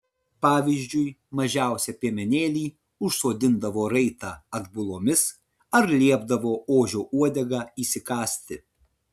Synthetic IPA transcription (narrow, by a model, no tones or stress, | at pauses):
pɑːʋʲizʲd͡ʒʲʊɪmɐʒʲæˑʊsʲɛpʲiɛmʲɛnʲeːlʲiː | ʊʃsoːd̪ʲɪnd̪ɐʋoːɾɐɪt̪ɑːɐɡ̪bʊlˠoːmʲɪs | ɐɾlʲiɛbd̪ɐʋoːoːʒʲoːʔuɔd̪ʲɛɡɑiːsʲɪkɑːsʲt̪ʲɪ